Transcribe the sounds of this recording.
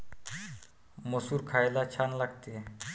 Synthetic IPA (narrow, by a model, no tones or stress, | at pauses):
məsuːɾkʰajlat͡ɕʰanlaɡt̪e